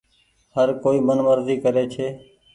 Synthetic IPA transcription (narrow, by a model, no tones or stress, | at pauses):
həɾkoːiːmənʋəɾziːkəɾeːt͡ʃʰeː